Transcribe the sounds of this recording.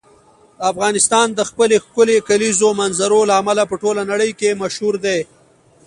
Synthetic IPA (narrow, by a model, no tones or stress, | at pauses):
d̪əafɣɑnɪst̪ɑnd̪əxpəlexkʊlekalizomanzaɾolaːmalapəʈolanaɽəjkemaʃhuɾd̪e